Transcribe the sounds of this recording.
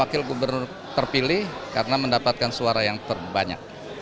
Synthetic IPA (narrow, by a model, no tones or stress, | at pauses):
akɪlɡubərnʊr | t̪ərpilɪhkaɾənaməndapat̪̚kansuaɾajaŋt̪ərbaɲa̰k̚